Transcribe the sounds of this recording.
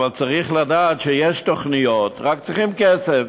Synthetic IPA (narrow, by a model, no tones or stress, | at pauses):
valt͡saʁiχladaːtʃejɛʃtoχnijotʁakt͡sʁiχimkɛt͡sev